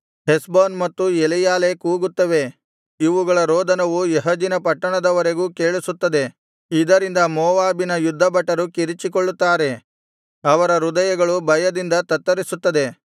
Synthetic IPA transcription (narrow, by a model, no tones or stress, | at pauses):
ɦesboːnmɐt̪ːuelijaːle̞kuːɡut̪ːɐʋe̞ | iʋuɡɐɭɐɾoːd̪ʱɐnɐʋujeɦɐd͡ʒinɐpɐʈːɐɳɐd̪ɐʋɐɾe̞ɡuːke̞ːɭisut̪ːɐd̪e̞ | id̪ɐɾind̪ɐmɔːʋaːbinɐjud̪ʱːɐbɐʈːɐɾukiɾit͡ʃikoɭːut̪ːaːɾe̞ | ɐʋɐɾɐɾud̪ɐjɐɡɐɭubɐjɐd̪ind̪ɐt̪ɐt̪ːɐɾisut̪ːɐd̪e̞